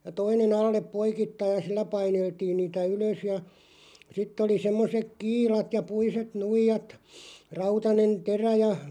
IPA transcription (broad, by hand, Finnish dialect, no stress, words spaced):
toinen ɑlːep poikitːɑij jɑ silːæ pɑineltiːn niːtæ yløs jɑ sitː oli semːosek kiːlɑt jɑ puiset nuijɑt rɑutɑnen teræ jɑ